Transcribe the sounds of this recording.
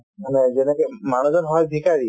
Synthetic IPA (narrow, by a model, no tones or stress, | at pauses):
maned͡ʒenekemaɽ̃ɔd͡ʒɔnɦɔjbʱikaɾi